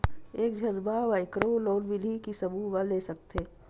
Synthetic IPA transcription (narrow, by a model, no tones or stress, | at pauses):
eːkd͡ʒʱɐzbaʋaɪkɾoloːlʋɪlikisɐbʱuʋɐleːsɐk̚t̪eː